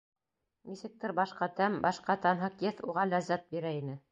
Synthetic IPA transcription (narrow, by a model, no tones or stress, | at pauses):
nisɘ̆k̚t̪ɘɾbɑʃqɑt̪æmbɑʃqɑt̪ɑnɦɤqjɘθuʁɑlæzːæt̪̚biɾæinɘ